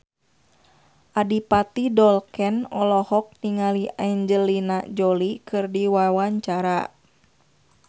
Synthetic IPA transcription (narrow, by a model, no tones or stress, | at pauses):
ʔadipat̪idɔlkɛnɔlɔhɔk̚niŋaliaiɲd͡ʒəlinad͡ʒɔlikɨrdiwawaɲt͡ʃaɾa